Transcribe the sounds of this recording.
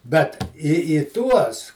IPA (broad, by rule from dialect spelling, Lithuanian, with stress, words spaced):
bʲɛt iː iː ˈtuɔs